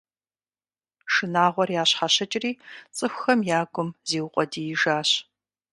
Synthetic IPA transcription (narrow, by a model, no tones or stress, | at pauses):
ʃɨnaːʁʷɔrjaːɕħaɕɐt͡ʃʼɪriːt͡sʼɨxʷxɐmjaːɡʷʊmzeːwʊqʷʼɔdiːjɪʒaːɕ